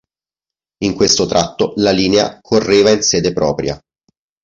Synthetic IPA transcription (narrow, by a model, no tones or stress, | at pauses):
iŋkwest̪ot̪ɾʔat̪ːolaliːnea̰kʰorːeːvainsɛːd̪epɾɔːpɾja̰